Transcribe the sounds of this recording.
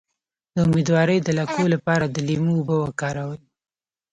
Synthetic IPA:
d̪̥əʊmed̪wɑɾəjd̪əlakolapɑɾad̪əlimuːbəwəkɑɾawəj

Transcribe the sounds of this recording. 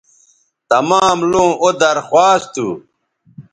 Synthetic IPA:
t̪ɐmaːmlõːʔod̪ɐɾxwaːst̪u

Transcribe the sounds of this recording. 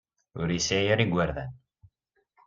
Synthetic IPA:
ʊɾisijəɾiɡʷːaɾðæ̰n

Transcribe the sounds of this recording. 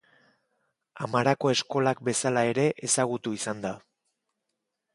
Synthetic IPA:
amaɾako̞e̞sko̞lakbe̞salae̞ɾe̞ʔesaɣ̞ut̪uisand̪a

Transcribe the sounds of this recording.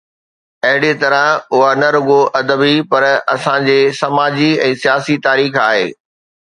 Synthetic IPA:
ɐɦɪɽet̪ɐɾə̃ʊɦanɐɾʊɠoʔɐd̪əbipɐɾɐsãd͡ʑeːsɐmaːd͡ʑiɛ̃ːsijaːsit̪aːɾiːxa̰ːɦḛː

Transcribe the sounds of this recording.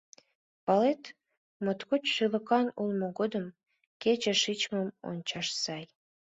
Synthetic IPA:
pɑlet̪ | mot̪kot͡ɕʃylə̆kɑnulmoɣod̪əm | ket͡ɕĕʃit͡ɕməmo̰nʲt͡ɕɑʃsɑj

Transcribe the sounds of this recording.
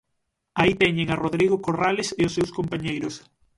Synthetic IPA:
ait̪ɛɲeŋaroðɾiɣʊkoraleseʊsːewskompaɲejɾʊs

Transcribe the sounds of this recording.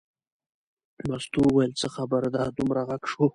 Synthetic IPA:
mast̪uwajəlt͡səxabaɾd̪ad̪umɾaɣaɡʂu

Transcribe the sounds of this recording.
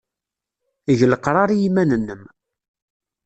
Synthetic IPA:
iʝləqɾˤɑɾijimænənːəm

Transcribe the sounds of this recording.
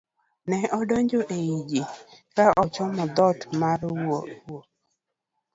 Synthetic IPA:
nɛɔdɔɲd͡ʒɔʔeid͡ʒikaʔɔt͡ʃɔmɔd̪ɔtmaɾwowo

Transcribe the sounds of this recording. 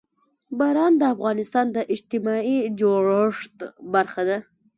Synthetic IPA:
bɑɾɑnd̪əafɣɑnɪst̪ɑnd̪əʔɪd͡ʒt̪ɪmɑid͡ʒoɽaʂt̪baɾxad̪a

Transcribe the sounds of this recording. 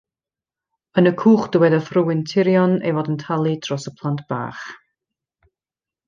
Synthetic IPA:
ənəkʰuːχd̥ɪwɛdəfrʊwɪntʰɪɾjɔnḛvɔdəntʰalˠid̥rɔsəpʰlˠantb̥a̰ːχ

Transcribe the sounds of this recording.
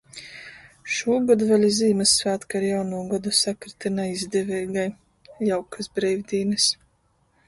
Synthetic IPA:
ʃuːɡɔd̪uvalʲiziːmɨsːvaːt̪kaɾjawnuːɡɔd̪usakɾɨt̪inajizd̪ɛvɛjɡaj | jawkʰasbɾɛjvʲd̪ʲiːnɨs

